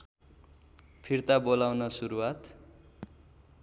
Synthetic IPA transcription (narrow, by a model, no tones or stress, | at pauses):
pʰirt̪abolawnʌsuɾuwat̪